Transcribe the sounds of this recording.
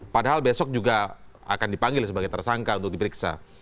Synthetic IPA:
padaɦalbesɔk̚d͡ʒuɡa | a̰kandipaŋɡɪlsəbaɡajt̪ərsaŋkaunt̪ʊk̚dipəɾiksa̰

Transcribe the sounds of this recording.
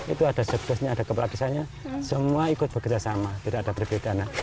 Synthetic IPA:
ḭt̪uadasək̚dasɲaːdakəpaladisaɲasəmuaikʊt̪̚b̥əkərd͡ʒasamat̪idakadapərbedana

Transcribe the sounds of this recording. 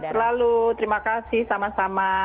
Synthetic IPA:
t̪ərlalut̪əɾimakasɪhsamasama

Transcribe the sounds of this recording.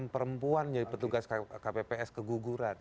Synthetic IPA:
mpəɾəmpuand͡ʒadipət̪uɡaskapepeɛskəɡuɡuɾan

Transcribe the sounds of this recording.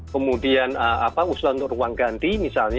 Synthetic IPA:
əmudianəapausuaunt̪ʊʔruwaŋɡant̪imisalɲ

